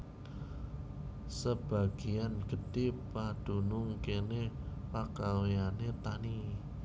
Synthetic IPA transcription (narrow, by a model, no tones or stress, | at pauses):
səb̥a̤ɡ̥ijanɡ̥əd̥ɪpad̥ṳnuŋkenepakaweanet̪ani